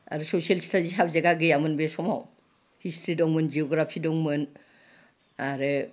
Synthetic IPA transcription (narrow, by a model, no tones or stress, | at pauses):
a̰ɾusɔsielstʰaziɦabzeɡaɡɯjamɯnbesɔma̰w | histʰɾidɔŋmɯnd͡ʒiɔɡɾapʰidɔŋmɯn | aɾɯ